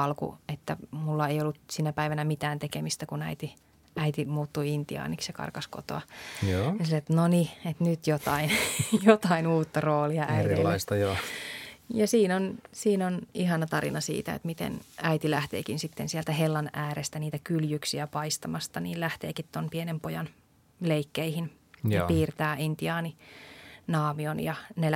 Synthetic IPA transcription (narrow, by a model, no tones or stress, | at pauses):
ɑlkṵet̪ːæmulːɑeijolːut̪sinæpæiʋænæmit̪æːnt̪ekemist̪ækunæit̪i | æit̪imuːt̪ːuiint̪iɑ̰ːniksjɑkɑ̰rkɑsko̰t̪o̰ɑjoːnisɑlet̪ːnoniet̪nyt̪jot̪ɑinjot̪ɑinuːt̪ːɑroːliɑʔæielɑist̪ɑjo | jɑsiːnonsiːnoniɦɑnɑt̪ɑrḭnɑsḭːt̪æ̰ḛt̪mit̪ḛnæit̪ilæht̪ḛːkinsit̪ːensiɛlt̪æhelːɑnæːɾest̪æniːt̪ækyljyksiæpɑist̪ɑmɑst̪ɑniːllæht̪ḛːkit̪t̪onpienempojɑn | leikːeihinː | piːrt̪æːʔint̪iɑːni | nɑːmionjɑne